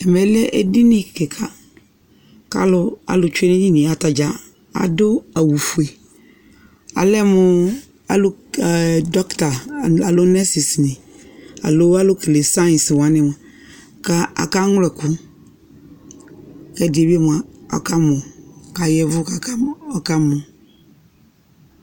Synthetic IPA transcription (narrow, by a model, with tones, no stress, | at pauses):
ɛ˨mɛ˨˦lɛ˦ʔe˦di˦nĩ˦˨kɛ˨kʰa˨ | ka̰˦lʊ˦a̰˨lʊ˨t͡ʃʊ˦e˦ne˦ɲi˦nɪ̃˨a˨ta˨d͡ʒa˨ | a̰˨dʊ˦a˨wu˨fu˨e˨ | a̰˨lɛ˦mʊ˨ | a˨lʊ˦˨ | dɔ˦kta˨a˨lʊ˦nɛ˦si˨snɪ̃˨ | a̰˨lʊ˦a˦lʊ˦kle˨sã˦˨nswa˦nɪ̃˨˦m˨a˨ | ka˦a̰˨ka˦ŋ˦lɛ˨kʊ˦ | kɛ˦dɪ˨e˨bi˦e˦mʊ˨a˨ɔ̰˨ka˦mʊ̃˨ka˨jɛ˦vʊ˦ka˨˦ɔ˦ka˦mʊ˨